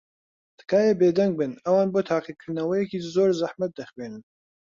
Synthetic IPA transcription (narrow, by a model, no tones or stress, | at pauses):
t̪ʰɨ̥kaːjebeːd̪ɐŋɡ̚bɨnɐwaːnboːt̪ʰaːqikʰɨɾd̪nɐwɐjɛkizoːɾzɐħmɐt̪̚d̪ɐxweːnɨn